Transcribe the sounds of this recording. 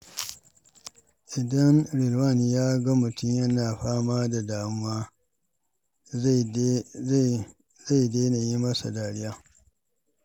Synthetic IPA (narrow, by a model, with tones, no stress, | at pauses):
ʔɪ˨dɐ˦ŋɽɪ˨lwa˦˨n˨jaː˦ɡa˦mʊ˨tʊ˦mjɐ˦naː˨ɸaː˦maː˦da˨daː˨mʊ˦waː˦ | za˦˨jdeː˦na˨ji˦mɐ˦sa̰˨daː˨ɽɪ˦jaː˦